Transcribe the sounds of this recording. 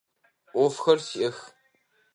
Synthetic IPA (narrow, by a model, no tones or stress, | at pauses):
ʔʷɔfxɐrsiʔɐx